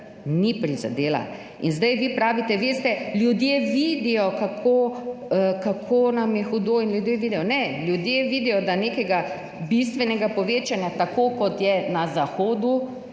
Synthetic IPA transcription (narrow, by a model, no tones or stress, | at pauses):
nipɾiza̰d̪eːla̰ | inzd̪ɛjʋipɾaːʋit̪ɛʋeːst̪ɛljud̪jeʋid̪ijɔkakʰoəkakʰoːnamjɛxud̪oːinljud̪jeːʋiːd̪ɛjɔnɛljud̪jeʋiːd̪ijɔd̪aneːkɛɡa | bis̬t̪ʋɛnɛɡapɔʋeːt͡ʃanjat̪akoːkɔt̪jɛnazaxoːd̪u